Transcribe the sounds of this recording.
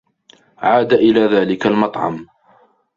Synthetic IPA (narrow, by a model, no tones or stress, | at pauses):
ʕaːd̪aʔɪlaːðaːlɪkalmɑt̪ˤʕɑ̰m